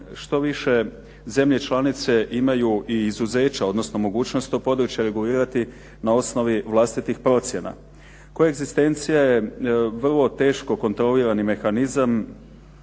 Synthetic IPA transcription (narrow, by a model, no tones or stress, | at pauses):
ʃt̪o̞ʋiʃe̞ | ze̞mʎe̞t͡ʃlˠanit̪se̞ʔimajuʔiːzuze̞ːt͡ɕaod̪no̞sno̞mo̞ɡuːt͡ʃno̞st̪opo̞d̪ɾut͡ɕjaɾe̞ɡuliːɾat̪i | nao̞sno̞ʋiʋlˠast̪it̪ixpɾo̞t̪sʲje̞na̰ | kojaeɡzist̪e̞nt̪sijajeʋr̩lˠo̞t̪e̞ːʃko̞ko̞nt̪ɾo̞liɾanime̞xanizam